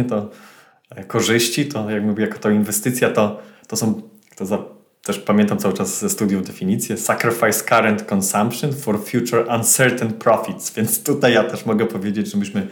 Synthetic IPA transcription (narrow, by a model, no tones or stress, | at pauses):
ɛt̪ɔ | kɔʐɘɕt͡ɕit̪ɔjakmuvʲɛjakɔ̥t̪ɔinvɛst̪ɘt̪sʲjat̪ɔt̪ɔsɔ̃w̃ | t̪ɔza | t̪ɛʂpamʲjɛnt̪amt̪sawɘt͡ʂaszɛst̪ud̪ʲjuvd̪ɛfʲiɲit̪sʲjɛsakɾɛfajskaɾɛnt̪kɔnsampʂɔnfɔɾfʲjut͡ʂuɾansɛɾt̪ɛnpɾɔfʲit̪svʲjɛnt̪st̪ut̪ajːat̪ɛʂmɔɡɛpɔvʲjed͡ʑed͡ʑʐɛmɨɕmɘ